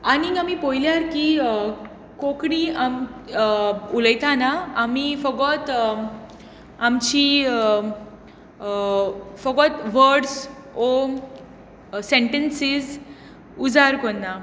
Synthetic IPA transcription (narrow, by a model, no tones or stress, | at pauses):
aniamipojljaɾki | kokɽiam | uləjt̪anaamifəɡɔt̪ | amt͡ɕi | fəɡɔt̪ʋəɾɖs | ɔ | sẽɳʈensiz | ud͡zaɾkonːa